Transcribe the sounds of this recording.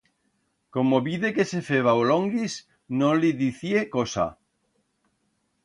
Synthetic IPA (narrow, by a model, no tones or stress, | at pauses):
komoβiðekesefeβaoloŋɡis | nõliðiθiekosa̰